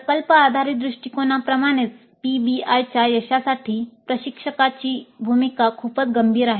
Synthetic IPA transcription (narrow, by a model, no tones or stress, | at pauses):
pɾɐkəlpəaːd̪ʱaɾid̪ɾiʂʈikonapɾɐmaɽ̃it͡s̪ | pibiajt͡ɕajəɕasaʈʰiːpɾəɕikʂəkat͡ɕibʱumikakʰuːpət͡sɡəmbʱiːɾaɦe